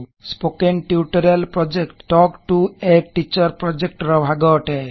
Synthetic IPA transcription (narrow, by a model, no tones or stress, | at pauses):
spokenʈiuʈɔɾelpɾɔd͡ʒekʈːɔkʈueʈit͡ʃɔɾpɾɔd͡ʒek̚ʈɾɔbʱaɡɔʈɛ